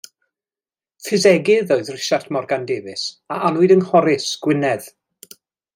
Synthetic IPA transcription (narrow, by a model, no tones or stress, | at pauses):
fɪzɛɡɪðoɨðrɪʃartʰmɔrɡandevɪsaʔanwʊɨdənhɔɾɪsɡ̥wɪnɛð̥